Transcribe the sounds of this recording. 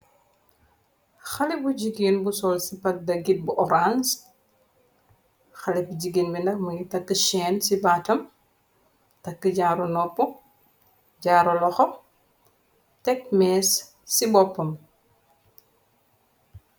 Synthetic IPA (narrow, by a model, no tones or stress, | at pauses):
xɐlibuɟiɡinbusɔlsipɐk̚dɐɡit̚buʔɔɾans | xɐlɛbuɟiɡinmindɐk̚mɐŋitɐkːəʃɛːnsibaːtɐm | tɐkːəɟaːɾɔnɔpːɔ | ɟaːɾɔlɔxɔ | tɛk̚mɛːsː | ibɔpːɐm